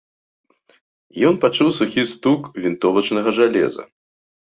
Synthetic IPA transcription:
jɔnpat͡ʂuwsuxʲist̪ukvʲint̪ɔvɐt͡ʂnɐɣɐʐalʲɛ̰zɐ̰

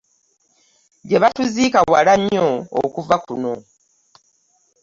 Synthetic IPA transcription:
ɟeβatuzikawalaɲːo̰ːkuvakuno̞

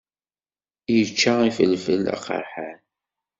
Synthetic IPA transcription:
jət͡ʃːaifəlːfəla̰qə̰ɾħan

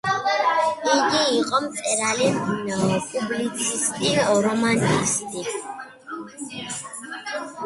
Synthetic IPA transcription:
iɡiːqʼɔmt͡sʼɛɾaliuɲamɔpʼublit͡sʼʰist̪ʼiɔɾɔmanist̪ʼi

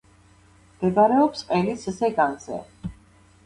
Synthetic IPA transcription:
mɡ̪̥ɛɡ̪aɾɛɔpsqʼɛlisʰisɛɡanzɛ̰

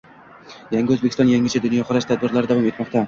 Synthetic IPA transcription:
jaŋɡʲɪɵzbekʲɪ̥sɒnjaŋʲɪt͡ʃʰad̪ʊnjɒχʊɾaʃt̪ʰad̪̚bɪɾlaɾɪd̪avɒme̞t̪mɒqt̪a

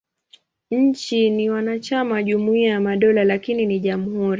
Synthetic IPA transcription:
ɲ̩t͡ʃiniwanat͡ʃamaʄumuiajamaɗɔlalakininiʄamuhuɾi

